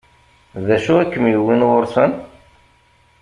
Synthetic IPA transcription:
ðæʃuækːəmjəwːinwʊɾsən

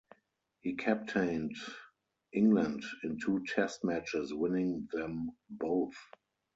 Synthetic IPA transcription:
hiːkʰæp̚tʰẽɪ̃nd | ʔɪ̃ŋɡlə̃ndɪ̃ntʰuːtʰɛstmæt͡ʃɪswɪ̃nɪ̃ŋðɛ̃mboʊθ

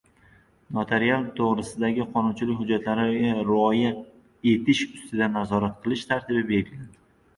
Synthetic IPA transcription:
nat̪ʰe̞ɾialˠt̪ʰoʁɾɪsɪd̪aɡʲɪqʰɒnʊnt͡ʃʰɪlɪkʲhʊd͡ʒːat̪laɾɪaɾɒja | e̞t̪ʰɪʃʊst̪ɪd̪anazɒɾat̪qʰɨlˠɪʃt̪ʰaɾt̪ʰɪbɪbe̞ɾɡʲɪlad̪ɪ

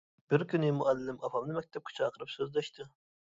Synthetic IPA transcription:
b̥ɪɾkʲynɪmuʔælːɪːɪmɑfɑmlˠɨmɛk̚ʲt̪ʰɛp̚kʰʲy̥t͡ʃʰɑːqʰəɾɨpsøzd̪ɛʃt̪ʰɨ

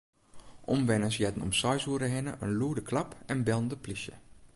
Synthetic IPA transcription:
ʔɔmʋɛnəsjɛdən̩ɔ̰msɔjsuəɾəɦɪnəʔənluədəkʰlapɛnbɛlˠəndəplisjə̰

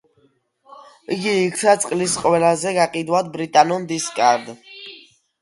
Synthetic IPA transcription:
iɡiːkʰt̪ʰat̪sʼqʼlisqʼwɛlazɛɡaqʼid̪wad̪̚bɾit̪ʼanɔnd̪iskʼaɾd̪

